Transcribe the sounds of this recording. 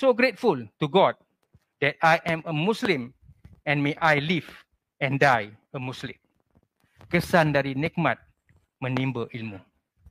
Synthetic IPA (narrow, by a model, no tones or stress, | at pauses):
soɡɾet̚fultuɡɔd̚ | d̥ɛt̚ajʔɛ̃məmuslĩm | ɛ̃nmeʔajliv | ɛ̃ndaj | əmuslĩm | kəsãndaɾinɛk̚mãt̪̚ | mə̃nĩmbəʔilmũ